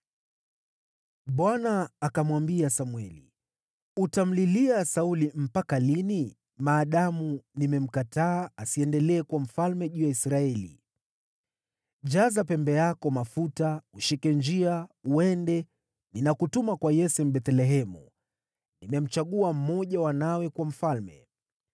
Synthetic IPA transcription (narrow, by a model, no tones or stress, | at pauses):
ɓwanaːkamwambiasamwɛlḭ | utam̩liliasaulim̩pakalini | maːɗamunimɛm̩kataːasiɛndɛlɛːkwam̩falmɛʄuːjaisɾaɛlḭ | ʄazapɛmbɛjakɔmafutauʃikɛnd͡ʒiauɛndɛ | ninakutumakwajɛsɛm̩ɓɛt̪ɛlɛɦɛmṵ | nimɛm̩t͡ʃaɠuam̩mɔʄawanawɛkwam̩falmɛ̰